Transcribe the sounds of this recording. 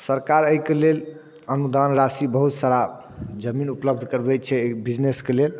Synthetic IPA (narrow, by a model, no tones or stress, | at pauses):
səɾkaɾəikelel | ənud̪anɾasibəɦut̪saɾa | d͡ʒəminupləb̚d̪ʱkəɾbɛt͡ʃʰɛbid͡ʒneskelel